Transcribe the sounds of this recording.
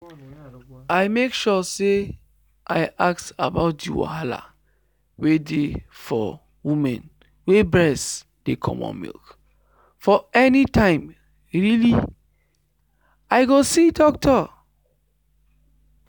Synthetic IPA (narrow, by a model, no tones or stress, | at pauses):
aɪmekʃɔse | ʔaɪʔaktabaʊt̚dḭwa̰ɦala̰ | wedefɔ̰ | wumɛ̰̃n | webɹɛs | d̥ekʰɔ̰̃mɔ̰̃nmḭlk | fɔɛnitãɪ̃m | ɹili | aɪɡosidɔk̚tʰɔ